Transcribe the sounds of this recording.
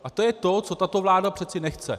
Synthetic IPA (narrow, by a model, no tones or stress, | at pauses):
ʔat̪o̞jɛt̪o̞t͡so̞t̪at̪o̞vlaːdapr̥ɛt͡sɪnɛxt͡sɛ̰